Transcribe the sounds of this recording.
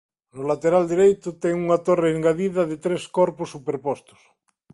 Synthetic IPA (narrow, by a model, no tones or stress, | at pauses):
nolat̪eɾald̪eɾejt̪ot̪eŋuŋat̪oreːŋɡaðiðaðet̪ɾeskoɾposːupeɾpost̪o̥s